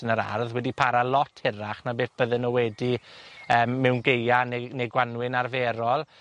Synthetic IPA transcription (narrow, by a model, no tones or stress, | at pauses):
ənəɾa̰rðwɛdipʰaɾalˠɔtʰhɪraχnabeːθb̥əðənːowɛdiəːmːɛwnɡejaneneɡwanwɪnarvɛːɾɔlˠ